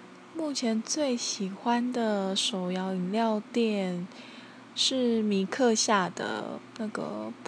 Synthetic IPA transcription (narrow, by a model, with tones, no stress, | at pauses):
mu˥˩t͡ɕʰjɛ˧˥nt͡swe˥˩ɪɕi˨˩xwa˥nd̪ə˨ʂo˨˩ʊjɑ˧˥ʊi˨˩nljɑ˥˧ʊt̪jɛ˥˩n | ʂɻ̩˥˩mi˧˥kʰɤ˥˧ɕja˥˩d̪ə̰˩na˥˩ɡə̰˩